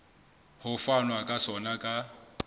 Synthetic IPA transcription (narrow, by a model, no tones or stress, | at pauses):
hʊfanwakʼasɔnakʼa